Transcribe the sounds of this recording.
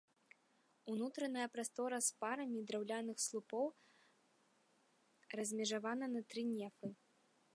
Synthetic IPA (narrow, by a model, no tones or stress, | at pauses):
unut̪ɾɐnɐjɐpɾast̪ɔɾɐspaɾɐmʲid̪ɾawlʲanɨxslˠupɔw | rɐzʲmʲɛʐavanɐnɐt̪ɾɨnʲɛfɨ